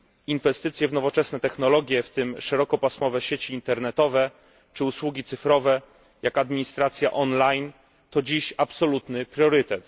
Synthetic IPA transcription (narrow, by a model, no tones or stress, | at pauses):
invɛst̪ɘt̪sʲjɛvnɔvɔt͡ʂɛsnɛt̪ɛxnɔlɔɡʲjɛft̪ɘmʂɛɾɔkɔpasmɔvɛɕet͡ɕiːnt̪ɛɾnɛt̪ɔvɛ | t͡ʂɘuswuɡʲit̪sɘfɾɔvɛ | jakad̪mʲiɲist̪ɾat̪sʲja̰ʔɔnlajn | t̪ɔd͡ʑiɕapsɔlut̪nɘpɾʲjɔɾɘt̪ɛt̪